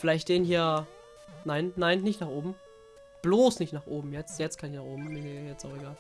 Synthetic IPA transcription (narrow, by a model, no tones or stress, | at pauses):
fɪlaɪçt̚d̥eːnhiːɐ | naɪnːaɪnːɪçtnaːχʔoːbm̩ | b̥loːsnɪçtnaːχʔoːbm̩jɛt͡stjɛt͡stkʰanɪçnaːχoːbm̩nnejɛt͡staʊxeɡaːl